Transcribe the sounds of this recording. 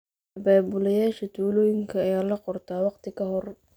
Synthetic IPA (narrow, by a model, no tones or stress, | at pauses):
ɐbaːbʊlɐjaːʃɐt̪ʰuːlɔːjɪŋkʰɐːjaːlɐqɔrt̪ʰaːwɑqt̪ʰɪkʰɐɦɔr